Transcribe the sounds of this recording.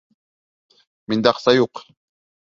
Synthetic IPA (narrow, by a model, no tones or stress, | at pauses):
mɪnd̪ɑqsajoq